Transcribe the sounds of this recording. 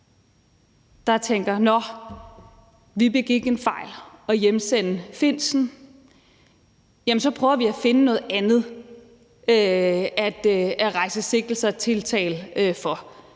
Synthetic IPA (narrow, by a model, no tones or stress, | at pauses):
d̥ɑ̈t͡sʰeŋ̰ɡ̥ɐnɒ | ʋib̥e̝ɡ̥iɡ̥enfɑ̈ɪ̰lɒ̽jemsen̰əfe̝n̰sn̩ | jæmənsɒ̽pʰʁœʊɐʋiæfe̝nənɔ̽ːð̩ˠænð̩ˠ | øæd̥æʁɑ̈ɪ̰səse̝ɡ̥l̩sɑt͡sʰe̝lt͡sʰɛ̰ːlfɒ̽